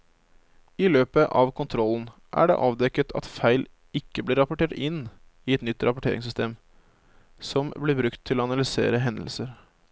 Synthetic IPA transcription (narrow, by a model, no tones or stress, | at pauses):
ɪløːpəʔɑʋkʰʊnt̪ʰɾɔlːn̩ʔæ̰ɖɛ̰ʔɑːʋd̪ɛkːət̪ʰɑ̰t̪fæɪl | ɪkːəblɪɾɑpʊʈʰeːʈɪnː | ɪɛt̪nʏt̪ːɾʔɑpʊʈʰḛːɾɪ̰ŋsʏst̪ʰḛːm | sɔmblɪɾbɾʉkt̪ʰːɪloːɑnɑlɪsḛːɾəɦɛnd̪l̩səɾ